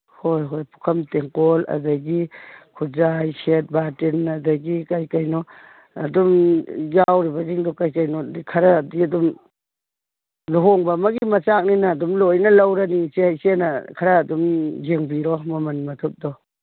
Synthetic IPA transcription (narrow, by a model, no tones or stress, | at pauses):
hojɦojpu̥kʰɐmteŋkɔlɐ̰daɡikʰuzajset̚batinɐdɐɡikajkajnɔ | ɐ̰dumjawɾibɐziŋdɔkajkajnɔdikʰɐɾadiɐdum | luɦoŋbamaɡiimɐt͡ʃak̚ninaːdumlojnɐlɐwɾaniŋsehajsenakʰaɾaːdumzeŋbiɾɔmɔmɐnmɐt̪ʰup̚dɔ